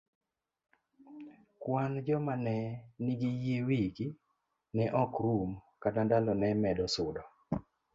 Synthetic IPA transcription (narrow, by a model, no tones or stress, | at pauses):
kwand͡ʒɔmanɛnɪɡijewiɡi | nɛʔɔkɾumkatandalɔnɛmɛdɔsʊdɔ